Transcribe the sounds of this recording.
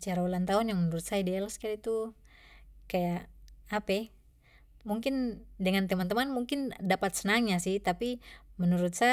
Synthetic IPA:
t͡ʃaɾaulant̪aunjaŋmənuɾut̪̚saidealaskaɾait̪u | kajaʔːpɛ | muŋkɪndəŋant̪əmant̪əmanmuŋkɪndapat̪̚sənaŋɲasiht̪apimənuɾut̪̚sa

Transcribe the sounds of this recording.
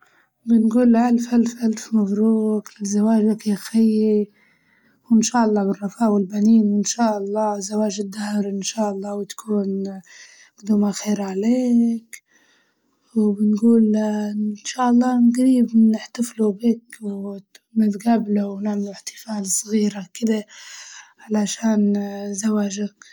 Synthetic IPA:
bɪnɡuːlʕalfʔalfʔalfmafɾuːqlɪzːawaːʒakjaxɪjːi | wɪnʃaːʔɑlˤːɑːbɪrˤːɑfaːwɪlbaniːnwɪnʃaːʔɑlˤːɑːzːawaːʒɪd̪ːahɾɪnʃaːʔɑlˤːɑːwɪt̪kʰuːn | ɡd̪ʊmaxeːɾʕaleːk | wbɪnɡuːl | nʃaːʔɑlˤːɑːnɡaɾiːbnɪħt̪aflubiːkwmɪd̪ɡablawnaʕmalʊɪħt̪ɪ̥faːlsˤɣiːɾakɪd̪a | ʕalaʃaːnzawaːʒak

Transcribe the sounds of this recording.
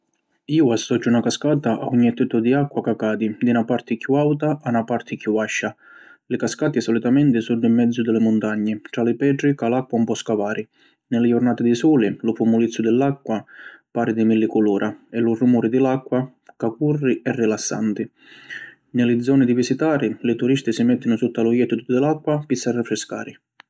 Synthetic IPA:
iːʊast̪ːɔd͡ʒːunakaskaːt̪aʔa̰uɲːɛt̪ːɛt̪ʊd̪iakːwakakaːd̪id̪inapart̪ɪkjuawt̪aʔanapart̪ʰɪkjuaʃːa | lɪkaskaːt̪iɛsɔlit̪amɛnt̪ɪsud̪ːʊimːɛd̪zːʊd̪ɪlɪmʊnt̪aɲːɪʈɾalɪpɛːʈɾikalakːwaumpɔskavaːɾʔɪ | nɪlɪjʊrnaːt̪ɪd̪ɪsuːlɪlʊpumʊlit̪sːʊd̪ɪlːakːwapaːɾɪd̪ɪmilːɪkʊluːɾʔaɛlʊrumuːɾɪd̪ɪlakːwa | kakurːiɛrːilasːa̰nt̪ɪ | nɪlɪd̪zɔːnɪd̪ivisit̪aːɾɪlɪt̪uɾist̪ɪsɪmɛt̪ːɪnʊsut̪ːalʊjɛt̪ːʊt̪ʊd̪ɪlakːwapisːarːɪfɾɪska̰ːɾɪ

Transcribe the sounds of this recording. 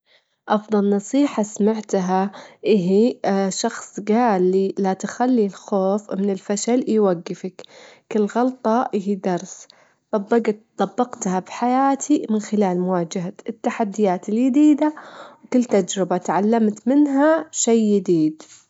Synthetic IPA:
ʔɑfðˤɑlnɑsˤiːħasamaʕt̪ɦaʔɪɦiʃɑxsˤɡaːlːilat̪xalːilxoːfmɪnɪlfaʃaljwaɡːɪfakkɪlɣɑlt̪ˤɑʔɪɦid̪ɑɾˤs | t̪ˤɑbːɑɡt̪t̪ˤɑbːɑqt̪habħajaːt̪ʰimɪnxɪlaːlmʊwaːd͡ʒaɦaɪt̪ːaħad̪ːɪjaːt̪ɪljɪd̪iːd̪awkɪlːt̪ad͡ʒɾɪbat̪ʕalːamt̪mɪnɦaʃajːɪd̪iːd̪

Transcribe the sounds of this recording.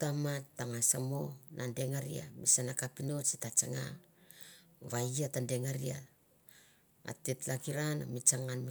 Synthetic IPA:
tamattːaŋasamo̞nʔande̞ŋaɾḭa̰misanakapino̞t͡ʃitat͡ʃaŋa̰ | βaiatande̞ŋaɾia | a̰tetlakiɾana̰mit͡ʃaŋanmi

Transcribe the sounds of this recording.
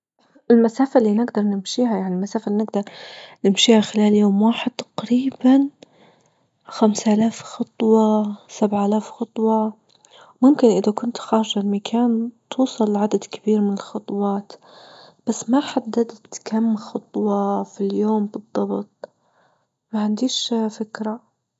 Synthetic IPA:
ɪlmasaːfalːiːnɪɡd̪ɑɾˤnɪmʃiːɦajaʕnilmasaːfaliːnɪɡd̪ɑɾˤnɪmʃiːhaxɪlaːljoːmwaːħɪd̪̚t̪ḁqɾiːban | xamsʔalaːfxɑt̪ˤwɑsabʕaalaːfxɑt̪ˤwɑ | mʊmkɪnʔɪðakʊnt̪xɑːʃɪlmakʰaːnt̪ʰuːsˤɑlːʕad̪ad̪kɪbiːɾmɪnɪlxɑt̪ˤwɑːt̪ | b̥asːmaħad̪ːad̪t̪kʰamːxɑt̪ˤwɑfiljoːmbɨd̪ˤːɑbt̪̚ˤ | maʕɪnd̪iːʃfɪkɾa

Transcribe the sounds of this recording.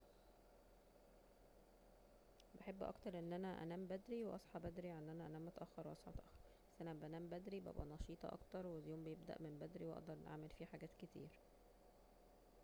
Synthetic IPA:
beħebːʔɑ̰kt̪ɑɾˤʔenːʔænæʔæ̰næːmbæd̪ɾiweʔɑsˤħɑbæd̪ɾiʕenːʔænæʔænæːmʔɑt̪ʔɑxːɑɾwʔɑsˤħɑ̰bt̪ʔɑxːɑɾɾbæsːʔænæbæʔænæːmbæd̪ɾibæ̰bʔæ̰nɑʃiːt̪ˤɑ̰ʔɑ̰kt̪ɑɾˤweljoːmbejebd̪æ̰ʔmembæd̪ɾiwʔɑ̰d̪ɑɾˤnʔa̰ʕmelfiːħaɡæːt̪ket̪ḭːɾ

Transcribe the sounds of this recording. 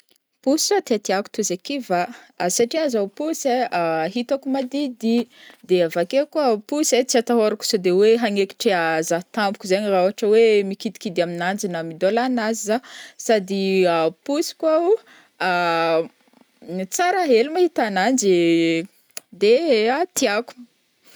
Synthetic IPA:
pusat̪eat̪iaku̥t̪uzekivaasaʈ͡ʂiazawpuseaɦit̪akumad̪id̪id̪eavakekuapuset͡siat̪aɦoɾaku̥sad̪eweɦaŋeki̥ʈ͡ʂeazat̪ampu̥kuzaɲiraoɦaʈ͡ʂəwemikid̪i̥kid̪iaminand͡ʒinəmid̪olanazizasad̪iapusi̥kau | a | it͡saɾaɦelumahit̪anand͡ʒi | d̪eat̪iaku̥

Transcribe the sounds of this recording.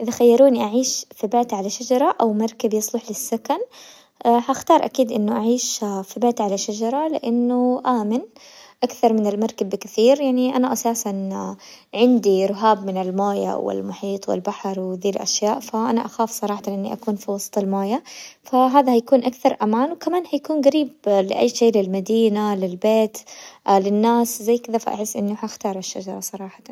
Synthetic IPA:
ʔɪðaxajːɑɾˤuːniʔaʕiːʃfibeːt̪ʕalaʃad͡ʒɑɾˤɑʔawmɑɾˤkabjɑsˤlʊħlɪsːakan | haxt̪ɑːɾˤʔakiːd̪ʔɪnːʊʔaʕiːʃfibeːt̪ʕalaʃad͡ʒɑɾˤɑlɪ̰ʔɪnːʊʔaːmɪn | ʔakθɑɾˤmɪnɪlmɑɾˤkabːkɪθiːɾjaʕniʔanaʔasaːsan | ʕɪnd̪iɾʊɦaːbmɪnɪlmoːja̰wɪ̰lmʊħiːt̪ˤwɪ̰lbaħɾˤwɪðiːlʔa̰ʃjaːʔfaʔanaʔaxaːfsˤɑɾˤɑːħɑt̪nʔɪnːḭʔa̰kuːnfiwɑsˤt̪ˤɪlmoːjafaɦaːðahajakuːnʔakθɑɾˤʔamaːnwkamaːnhajakuːnɡaɾiːblɪ̰ʔa̰jːʃeːlɪlmad̪iːnalɪlbeːt̪lɪnːaːszajːkɪðafa̰ʔa̰ħɪsːʔɪnːuħaʔaxt̪ɑːɾˤaʃːad͡ʒɑɾˤɑsˤɑɾˤɑːħɑ̥t̪

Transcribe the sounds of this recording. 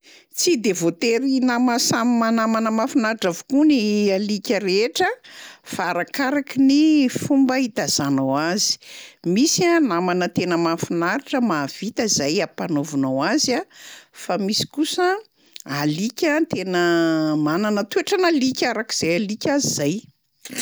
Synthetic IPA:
t͡sid̪evot̪eɾinamasamimanamanəmafinaɾiʈ͡ʂavukunialikʲəɾeʈ͡ʂəfaaːɾakaɾakinifumbəit̪az̥anawazi̥misanamanət̪enəmafinaɾiʈ͡ʂəmav̥it̪əzajapanovunowazafamisi̥kusə | alikʲət̪enəmananət̪ueʈ͡ʂanalikʲaɾaki̥z̥ajalikʲazizaj

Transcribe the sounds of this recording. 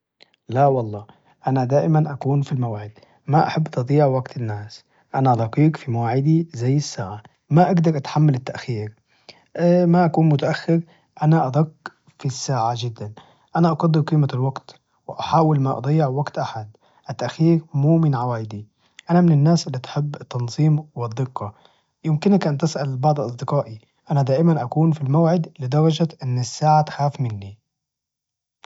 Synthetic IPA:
lawɑlˤːɑː | ʔanad̪aːʔɪmanʔakuːnfilmawaːʕɪd̪ | maʔa̰ħabːt̪ʔɑd̪ˤijːɪʕwaɡt̪ʰɪnːaːs | ʔanaʔd̪ˤɑqiːkfimawaːʕɪd̪izajːɪsːaːʕa | maʔaɡd̪ɑɾˤʔat̪ħamːalɪt̪ːaʔxiːɾ | maʔakuːnmʊt̪aʔaxːɪɾ | ʔanaʔɑd̪ˤɑqː | fisːaːʕad͡ʒɪd̪ːan | ʔanaʔɑɡɑd̪ˤːɪɾkiːmalwaɡt̪ | wɪʔaħaːwɪlmaʔɑ̰d̪ˤɑjːɪʕwaɡt̪ʔaħad̪ | ʔɪt̪ːaʔxiːɾmuːmɪnʕawaːjɪd̪i | ʔanamɪnɪnːaːsʔɪlːit̪ħɪbːɪt̪ːɑnzˤiːmwɪd̪ˤːɨqːɑ | jɪmkɪnakʔant̪ɪsʔalbɑʕd̪ˤʔɑsˤd̪ɪqɑːʔi | ʔanad̪aːʔɪmanʔakuːnfilmawʕɪd̪lɪd̪ɑɾˤɑd͡ʒaʔɪnːɪsːaːʕat̪xaːfmɪnːi

